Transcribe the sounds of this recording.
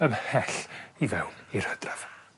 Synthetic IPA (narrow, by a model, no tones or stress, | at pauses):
əmhɛɬivɛwnir̥həd̥rav̥